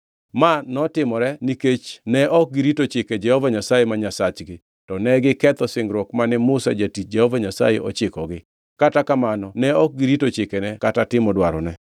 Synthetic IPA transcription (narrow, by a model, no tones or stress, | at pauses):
manɔtɪmɔɾɛniket͡ʃnɛʔɔk̚ɡiɾitot͡ʃɪkɛd͡ʒɛhɔvaɲasajemaɲasat͡ʃɡɪ | tɔnɛɡɪkɛt̪ɔsɪŋɡɾɔkmanɛmʊsa̰d͡ʒatit͡ʃ̚d͡ʒɛhɔvaɲasa̰jeʔɔ̰t͡ʃɪkɔɡɪ | katakamanɔnɛɔk̚ɡiɾitot͡ʃɪkɛnɛkatatɪmɔdwaɾɔ̰nɛ